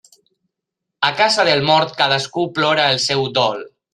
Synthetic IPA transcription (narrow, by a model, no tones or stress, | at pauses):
əkazaðəlˠmɔɾt̪kaðəskuplɔɾaəlˠsɛwd̪ɔl